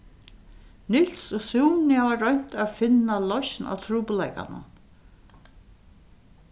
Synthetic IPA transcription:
nɪl̥sɔsuːnɪaʋaɾœɲ̥t̪aðfɪnːalɔʃna̰wt̪ʰɾuːpʊlɛjka̰nʊ̰n

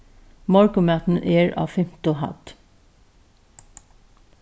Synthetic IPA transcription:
mɔɹkʊmæt̪n̩ʔeːɹɑ̰ːfɪmt̪ʊhɑ̰t̪

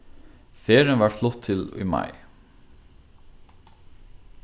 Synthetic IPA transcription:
feːɹənʋɑːflʊt̪ʰɪlḭːmɑ̰ɪ

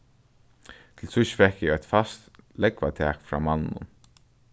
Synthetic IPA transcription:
t̪ʰɪlsʊʃə̥fɛhkjɪajt̪fast̪lɛkvat̪ʰɛːkfɾa̰ːmannʊ̰n

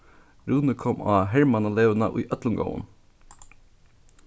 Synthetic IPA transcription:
ɾuːnəkʰɔmɑ̰ːhæɹmɑnɑleːʋənə̰ʔḭːʔœt̪lənɡə̰ʊə̰n

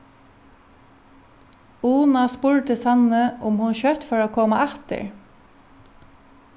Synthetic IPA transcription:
uːnɑspʊɹt̪əsɑnəʔʊmhʊnçœt̪fɔɹoːkʰoːmɑʔɛt̪ə̰ɹ

